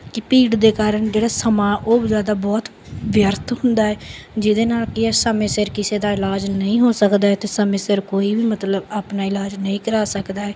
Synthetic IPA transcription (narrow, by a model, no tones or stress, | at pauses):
kɪpiːʈd̪eːkaːɾəɳd͡ʒeːɽaːsəmãːʔoːbzjaːd̪aːbɔːt̪ | ʋjəɾt̪ʰɦʊnd̪aːɛːd͡ʒɪd̪eːnaːlkɪɛːsəmẽːsɪɾkɪseːd̪aːɪlaːd͡ʒnəĩːɦoːsəkd̪aːɛːt̪eːsəmẽːsɪɾkoːiːbiːmət̪ləbaːpnaːɪlaːd͡ʒnəĩːkəɾaːsəkd̪aːɛː